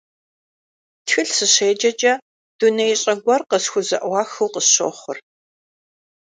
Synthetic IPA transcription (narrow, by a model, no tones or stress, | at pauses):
txɨɬsɨɕeːd͡ʒɐd͡ʒɐ | d̥unɐjɕʼɐɡʷɔrqəsxʷʊzɐʔwɑːxɨwqəsɕo̰χʷʊr